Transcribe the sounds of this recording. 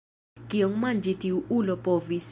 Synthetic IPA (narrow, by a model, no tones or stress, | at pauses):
kioŋmand͡ʒitiuulopɔvis